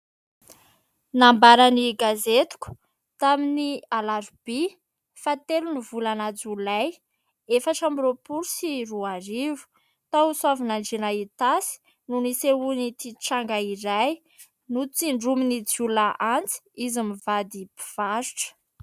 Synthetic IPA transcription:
nambaɾaniɡazet̪u̥ku̥ | t̪aminialaɾb̥i | fat̪elunivulanad͡zulaj | efaʈ͡ʂamiropuɾusiruaɾivu̥ | t̪auswavunaɳɖ͡ʐenait̪asi̥ | nuniseunit̪iʈ͡ʂaŋɡaiɾaj | nut͡siɳɖ͡ʐuminid͡zulaʔant͡si̥izimivad̪ipi̥v̥aɾuʈ͡ʂə̥

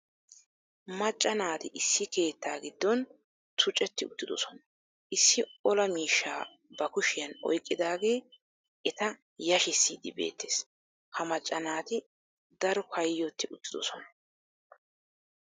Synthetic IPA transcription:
mɐt͡ʃʼːɐnaːt̪ɪʔɪsːɪke̞ːt̪ːaːɡɪd̪ːɔn | t̪ʰʊt͡ʃʼɛt̪ːɪʊt̪ːɪd̪ɔsɔnɐ | ʔɪsːɪɔlɐmiːʃːaː | bɐkʊʃɪjɐnɔ̰jkʼːɪd̪aːɡe̞ː | ʔɛt̪ɐ | jɐʃɪsːiːd̪ɪbḛːt̪ːe̥ːs | hɐmɐt͡ʃʼːɐnaːt̪ɪ | d̪ɐɾɔkʰɐjjːɔt̪ːɪʊt̪ːɪd̪ɔsɔnɐ

